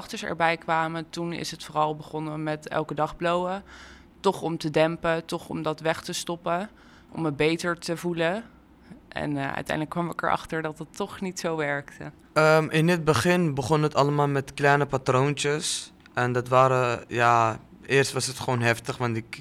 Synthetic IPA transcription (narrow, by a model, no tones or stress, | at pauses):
χtəɹsɛ̰ɹbɛjkʋaːmətunɪ̰sətfoːrɑlˠbəχɔnəmɛtɛ̰lˠkədɑχblowə | tɔχɔmtədɛmpətɔχɔ̰mdɑtʋɛχtəstɔpə | ʔɔ̰məbejtəɹtəvulə | ʔɛ̰nœ̰ɥtɛ̰jndələkːʋɑmʋəkɛɹʔɑ̰χtəɹdɑtətɔχnitsowʋɛɹktə | əmʔɪndɪd̚bəχɪnbəχɔnətɑləmaːlˠmɛtklɛjnəpatront͡ʃəs | ʔɛndɑtʋaːɾəjaɪːɹstʋɑsətχəʋownɦɛftəχʋɑntɪk